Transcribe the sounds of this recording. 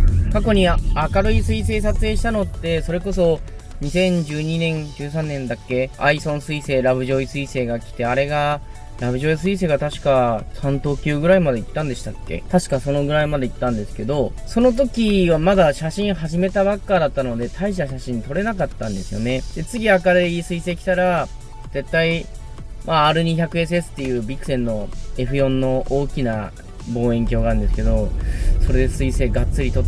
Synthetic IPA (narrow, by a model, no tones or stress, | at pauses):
kako̞ɲ̟iakaɾɯ̟isɨise̞ːs̬at͡sɨeːɕi̥t̪ano̞t̪ːe̞so̞ɾe̞ko̞s̬o̞ | ɲ̟isẽ̞ɲ̟d͡ʑɨːɲ̟inẽ̞ɲd͡ʑɨːs̬ãnːẽ̞nd̪akːe̞aisõ̞ɰ̃sɨise̞ːɾaβɯ̟ʑo̞isɨise̞ːɡakʲi̥t̪e̞aɾe̞ɡa | ɾabɯ̟ʑo̞is̬ɨis̬e̞ːɡat̪aɕi̥kasãnt̪o̞ːkʲɨːɡɯ̟ɾaimad̪e̞it̪ːãnd̪e̞ɕi̥t̪akːe̞̰t̪aɕi̥kaso̞no̞ɡɯ̟ɾaimad̪e̞it̪ːãnd̪e̞sɨ̥ke̞d̪o̞ | so̞no̞t̪̬o̞kʲiβamad̪aɕaɕĩɰ̃ɦaʑime̞t̪aβakːaːd̪at̪ːano̞d̪e̞t̪ʰaiɕit̪aɕaɕĩɲ̟ːit̪o̞ɾe̞nakat̪ːãnd̪e̞sɨjo̞̰ne̞d̪̥e̞t͡sɨɡʲiakaɾeisɨise̞ːkʲi̥t̪aɾa | ze̞t̪ːai | maːɾɯ̟ɲ̟içakɯ̟es̬ɨesɨ̥t̪ːejɯ̟ːbʲikɯ̟sẽ̞nːo̞e̞ɸɯ̟jõ̞nːo̞ʔoːkʲina | bo̞ːẽ̞ŋkʲo̞ːɡaɾɯnd̪esɨ̥ke̞d̪o̞so̞ɾe̞d̪e̞sɨise̞ːɡat͡sɨɾʲit̪o